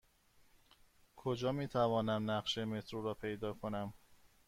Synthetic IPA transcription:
kʰo̞d͡ʒɒːmiːt̪ʰævɒːnæmnæɢʃeme̞t̪ʰɾuːɾɒːpʰe̞jd̪ɒːkʰo̞næm

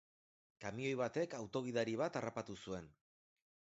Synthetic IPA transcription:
kamio̞jβat̪e̞kawt̪o̞ɣ̞iðaɾiβ̞at̪arapat̪usue̞n

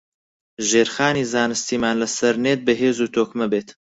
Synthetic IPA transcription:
ʒeːɾxaːniːzaːnɨst̪iːmaːnlɐsɐɾneːt̪̚bɐɦeːzuːt̪ʰoːkmɐbeːt̪

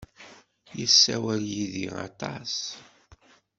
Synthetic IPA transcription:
jəsːæwæljiðḭʁɑ̰t̪ɑs

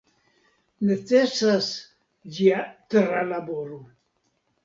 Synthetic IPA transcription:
net͡sesas | d͡ʒiat̪ɾalaboɾo

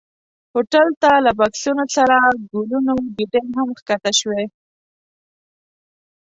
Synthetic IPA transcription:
hoʈalt̪alabaksunosaɾaɡulunoɡiɖenɦamxkat̪aʃwe

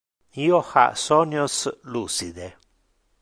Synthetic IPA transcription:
ioha̰sonjoslusid̪e

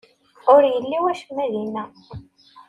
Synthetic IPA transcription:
ʊɾjəlːiwæʃəmːæðinæ

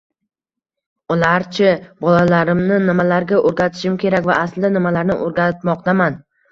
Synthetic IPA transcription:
ʊlaɾt͡ʃʰɪbɒlalaɾɪmnɪnɪmalaɾɡʲaʔoɾɡʲat̪ʰɪ̥ʃɪmkʲʰe̞ɾakʲvaʔaslanɪmalaɾnɪ̰ʔoɾɡʲanɪt̪mɒqt̪aman

